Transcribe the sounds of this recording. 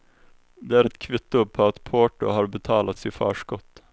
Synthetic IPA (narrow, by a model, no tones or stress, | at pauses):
d̪eːæːɾɛt̪kʰʋɪt̪ːʊpʰoːɑt̪pʰoːʈʊ̰hɑːɾbət̪ʰɑːlɑt̪siːfɑ̰ːʃkɔt̪